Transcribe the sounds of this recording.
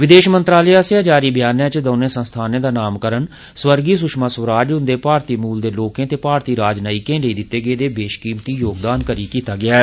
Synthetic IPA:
ʋɪd̪eːʃmənt̪ɾaːleaːseaːd͡ʒaːɾiːbjaːnãːt͡ʃd̪oːnẽːsənst̪ʰaːnẽːd̪aːnaːmkəɾən | swəɾɡiːs̬ʊʃmaːsʋɾaːd͡ʒɦʊnd̪eːpaːɾt̪iːmuːld̪eːloːkẽːt̪eːpaːɾt̪iːɾaːd͡ʒnaːiːkẽːɖəiːd̪ɪt̪ːeːɡeːd̪eːbeːʃkiːmt̪iːjoːɡd̪aːnkəɾiːkiːt̪aːɡɪaːɛ

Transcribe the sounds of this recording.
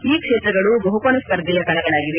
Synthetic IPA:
iːkʂeːt̪ɾɐɡɐɭubɐɦukonɐskɐɾd̪ɐjɐt̪ɐnɐɡɐɭaːɡiʋe̞

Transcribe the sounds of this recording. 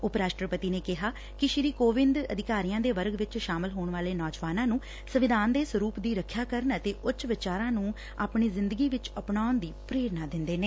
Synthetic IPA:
ʊpɾaːʃʈəɾpət̪iːneːkɪɦaː | kɪʃɪɾiːkoːʋɪnd̪ə̰d̪ʱɪkaːɾijãːd̪eːʋəɾɡʋɪt͡ʃʃaːmɪlɦoːɳʋaːleːnɔːd͡ʒʋaːnãːnũː | səʋɪd̪ʱaːnd̪eːsʋəɾuːpd̪iːɾəkʰːjaːkəɾnət̪eːʔʊt͡ʃʋɪt͡ʃaːɾãːnũː | a̰ːpɳiːzɪnd̪əɡiːʋɪt͡ʃəpɳaːʊnd̪iːpɾeːɾnaːd̪ɪnd̪eːneː

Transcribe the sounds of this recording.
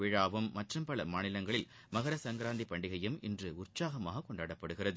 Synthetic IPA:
ɪːɻaːʋɯmːɐʈrɯmpɐlɐmaːnɪlɐŋɡɐɭɪl | mɐɣɐɾɐsɐŋɡɪɾaːnd̪ipːɐɳɖɪɣɐjɯmɪndrɯʊrt͡ʃaːɣɐmaːɣɐkːɔɳɖaːɽɐpːɐɽɯɣɪrɐðɯ

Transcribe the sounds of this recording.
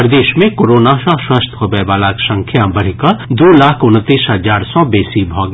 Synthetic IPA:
ɾd̪eːʃmẽkoːɾoːnaʃɔʃwast̪ʰɦobɛːbaːlaːksɐ̃ŋkʰjãbɐɽ̤ɪkad̪oːlaːkʰʊnt̪ːiːsɦɐzaːɾsɔbeːsibʱɔːɡ

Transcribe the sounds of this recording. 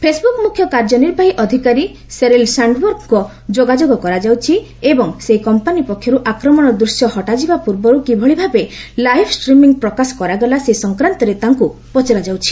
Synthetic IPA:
pʰesbukmukʰːjɔkaɾd͡ʒɔniɾbaɦiʔɔd̪ʱikaɾi | seɾelsaɳɖbɔɾkkɔ | d͡ʒoɡad͡ʒoɡɔkɔɾad͡ʒawt͡ʃʰi | ebɔŋseɦikɔmpanipɔkʰːjɔɾuʔakɾɔmɔɽ̃ɔd̪ɾusjɔhɔʈad͡ʒibapuɾbɔɾukibʱɔɭibʱabelajpʰsʈɾimiŋpɾɔkasɔ̥kɔɾaɡɔlasesɔŋkɾant̪ɔɾet̪aŋkupɔt͡ʃeɾad͡ʒawt͡ʃʰi̥

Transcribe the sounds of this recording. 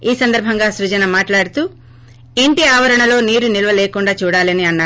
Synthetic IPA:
iːsɐnd̪ɐɾbʱɐŋɡaːsɾud͡ʒɐnɐmaːʈlaːɽut̪uː | e̞ɳʈiaːʋɐɾɐɳɐlo̞ːniːɾunilɐʋɐleːkuɳɖaːt͡ʃuːɽaːlɐniɐnːaː

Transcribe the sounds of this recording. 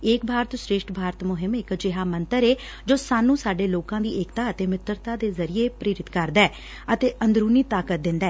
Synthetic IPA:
eːk̚bʱaːɾt̪sɾeːʃʈbʱaːɾət̪mʊɦɪmɪkd͡ʒɪɦaːmənt̪əɾeː | d͡ʒoːsaːnũːsaːɖeːloːkãːd̪iːʔeːkt̪aːət̪eːmɪt̪əɾt̪aːd̪eːzəɾɪeːpɾeːɾɪt̪kəɾd̪ɛː | ət̪eːʔənd̪ɾuːniːt̪aːkət̪̚d̪ɪ̃nd̪ɛː

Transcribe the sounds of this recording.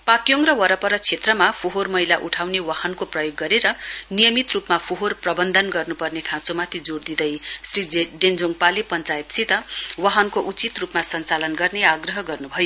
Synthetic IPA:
pakjoŋrʌwʌɾʌpʌɾʌt͡sʰet̪rʌmapʰoɦormʌɦjlaʔuʈʰawnewahʌnkoprʌjoɡːʌɾeɾʌnijʌmit̪rupmapʰoɦorprʌbʌnd̪ʱʌnɡʌrnupʌrnekʰãt͡somat̪ʰid͡zoɽd̪id̪ʌjsriɖend͡zoŋɡpalepʌnt͡sajet̪t͡sʰit̪ʌwaɦʌnkoʔut͡sit̪rupmasʌnt͡salʌnɡʌrneaɡrʌɦʌɡʌrnubʱʌjo

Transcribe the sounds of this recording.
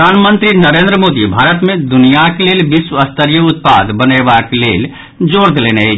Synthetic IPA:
anmənt̪ɾinəɾend̪ɾəmod̪ibʱaɾət̪mẽd̪unijakelelbiswəəst̪əɾijəut̪̚pa̰d̪bənəbaklel | d͡ʒoɽd̪eleneɛ

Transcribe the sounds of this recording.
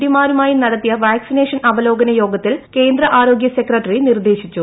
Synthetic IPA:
ɽimaːɾumaːjinɐɽɐt̪ːijɐʋaːksine̞ːʂɐnɐʋɐlo̞ːɡɐnɐjo̞ːɡɐt̪ːilke̞ːnd̪ɾɐʔaːɾo̞ːɡjɐse̞krɐʈːɐrinird̪e̞ːɕit͡ɕːu

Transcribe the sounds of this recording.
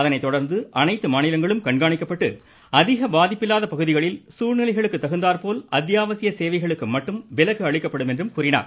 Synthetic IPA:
ɐðɐnɐɪt̪ːɔɽɐɾnd̪ɯʔɐnɐɪt̪ːɯmaːnɪlɐŋɡɐɭɯmkɐɳɡaːɳɪkːɐpːɐʈːɯ̰ | ɐðɪɣɐbaːðɪpːɪlːaːðɐpɐɣɯðɪɣɐɭɪlsuːɻnɪɭɐɪɣɐɭɯkːɯt̪ːɐɣɯnd̪aːɾpoːlɐd̪jaːʋɐsɪjɐseːʋɐɪɣɐɭɯkːɯmɐʈːɯmʋɪlɐkːɯɐɭɪkːɐpːɐɽɯmɛndrɯmkuːɾɪna̰ːɾ

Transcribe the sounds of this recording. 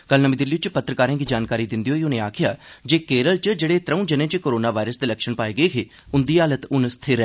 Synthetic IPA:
kəlnəmĩd̪ɪlːiːʊt͡ʃpət̪ːɾəkaːɾãːɡiːd͡ʒaːnkaːɾiːd̪ɪnd̪iɦoːiʊnẽːaːkʰɪja̰ːd͡ʒeːkeːɾəlt͡ʃəd͡ʒeːɽeːt̪ɾəũːd͡ʒənẽːt͡ʃekoːɾoːnaːʋaːɪɾəsd̪eːləkʃəɳpaːeːɡəeːkʰeːʊnd̪iːaːlət̪ʊnst̪ʰɪɾɛː

